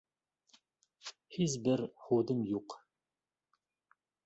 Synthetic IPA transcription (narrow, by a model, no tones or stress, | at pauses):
ħizbɨrχʷoːdɨmjuq